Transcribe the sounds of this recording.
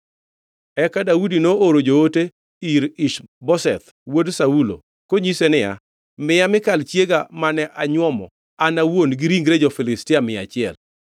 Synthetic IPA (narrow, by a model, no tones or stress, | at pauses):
ɛkadaudinooɾod͡ʒoote | iɾɪʃbɔsɛ̰t̪ | wodsaulo̰ | koɲisenɪja̰ | mɪjamɪkalt͡ʃjeɡamanɛʔaɲwɔmɔ̰ | anawonɡɪɾiŋɡɾed͡ʒofɪlɪstɪamɪa̰t͡ʃɪɛl